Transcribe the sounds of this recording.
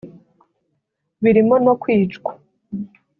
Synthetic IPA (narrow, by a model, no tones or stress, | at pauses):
βiɾimo̞no̞kwiːt͡ʃɡwa